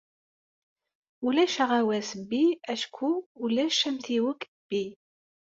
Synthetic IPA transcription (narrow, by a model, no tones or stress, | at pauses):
ulæʃaʁawæsəbːiæʃkʰuːlæʃæmθiwəkː | b̥ːi